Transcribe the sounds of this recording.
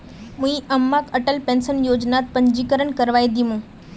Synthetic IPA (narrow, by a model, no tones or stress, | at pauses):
mũĩʔəmːakəʈəlpẽːnsənjoːd͡ʒnat̪̚pə̃ɲd͡ʒikəɾəɳkəɾʋaːjd̪imũ